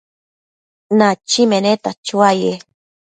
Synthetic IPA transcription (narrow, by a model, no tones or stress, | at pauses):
nat͡ʃimenet̪at͡ʃuaje